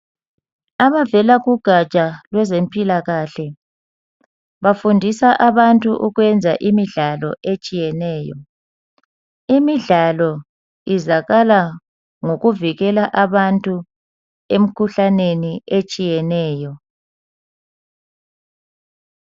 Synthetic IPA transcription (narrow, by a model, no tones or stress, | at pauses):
aβavɛlaɣuɡ̥ʱat͡ʃʼalwɛzempʼilaɣaɬɛ | βafundʱisaʔaβantʼuʔuɣwɛnd͡zʱa̰ʔimiɮalɔ̰ʔet͡ʃʼijɛnɛːjɔ | imiɮalɔ | izaɣala | ŋoɣuviɣɛlaʔaβantʼu | em̩kʰuɬaneniet͡ʃʼijɛnɛːjɔ